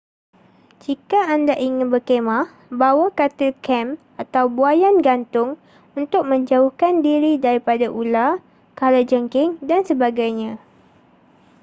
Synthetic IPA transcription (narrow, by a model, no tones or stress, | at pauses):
d͡ʒikaandaʔiŋɪ̃nbərkemãh | bawakat̪ɪlkɛm | at̪awbuajanɡant̪ʊŋ | unt̪ʊk̚mə̃ɲd͡ʒaʊhkandiɾidaɾipadaʔula | kalad͡ʒəŋkɪŋdansəbaɡajɲã